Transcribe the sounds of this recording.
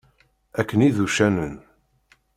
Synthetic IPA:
ækːəniðuʃænən

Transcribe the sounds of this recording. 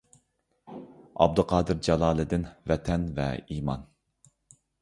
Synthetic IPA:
ɑ̰b̚d̪ɨqʰɑːd̪ɨɾd͡ʒɑlˠɑːlˠɨd̪ɪnvɛt̪ʰɛnvɛ̰iːmɑn

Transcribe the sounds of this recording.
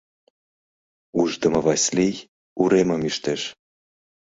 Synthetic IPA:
uʒd̪ə̆mɤ̆vɑsʲlʲij | uɾeməmiʃt̪eʃ

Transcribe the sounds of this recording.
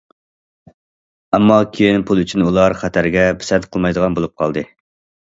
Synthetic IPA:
ɛmːɑkʲʰejinpʰulˠyt͡ʃʰynulˠɑɾχæt̪ʰæɾɡʲɛbɪ̥sɛnqʰəlˠmɑjd̪əʁɑnbolˠup̚qʰɑlˠd̪ɨ

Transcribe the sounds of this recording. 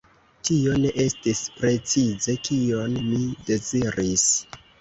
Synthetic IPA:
tio̞ne̞ʔe̞stispɾe̞t͡size̞kʰio̞nmide̞ziɾʔis

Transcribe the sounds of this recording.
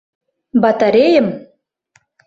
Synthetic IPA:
bɑt̪ɑɾʲejə̆m

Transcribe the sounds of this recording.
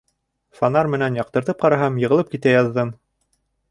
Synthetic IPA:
fanɑrmɘ̆nænjɑq̚t̪ɤ̆ɾt̪ɤp̚qɑɾɑɦɑmjɤ̆ʁɤ̆lˠɤp̚kit̪æjɑðːɤm

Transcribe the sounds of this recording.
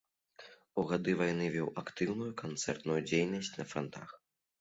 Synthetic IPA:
uɣad̪ɨvajnɨvʲɔwakt̪ɨwnujukant̪sɛrt̪nujud͡zʲejnɐsʲt͡sʲnɐfɾɔnt̪a̰x

